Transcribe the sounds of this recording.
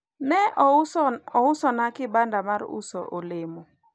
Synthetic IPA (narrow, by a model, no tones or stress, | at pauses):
nɛʔ | ɔʊsɔnakɪbandamaɾṵsɔ̰ʔolemɔ